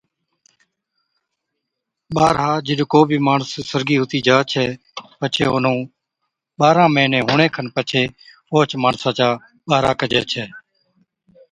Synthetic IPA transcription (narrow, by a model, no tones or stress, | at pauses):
ɓaːɾɦãːd͡ʒɪɗkoːbʱiːmaːɳəsːəɾɡiːɦʊt̪iːd͡ʒaːt͡ʃʰɛː | pət͡ʃʰeːʊnõː | ɓaːɾãːmeːnẽːɦʊːɳẽːkʰənpət͡ʃʰeː | oːt͡ʃmaːɳsãːt͡ʃaː | ɓaːɾaːkəd͡ʒḛːt͡ʃʰɛː